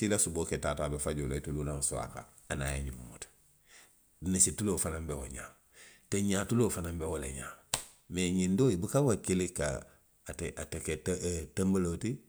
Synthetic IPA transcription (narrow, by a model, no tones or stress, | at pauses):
silasuboketaːtabefaɟoloitululaŋsua̰ka̰ | ana̰jeɲimmut | nisitulofanambewoɲa̰ː | teɲaːtuloːfanambewolḛɲa̰ː | meɲindoːibukawakelika̰ | teatekettambaloti